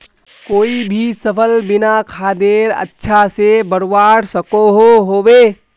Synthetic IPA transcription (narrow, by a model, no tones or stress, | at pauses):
koːibʱisəpʰəlbɪnakʰaːd̪eːɾə̰tːʃʰasebəɽwaːɽsəkoɦoɦoːbeː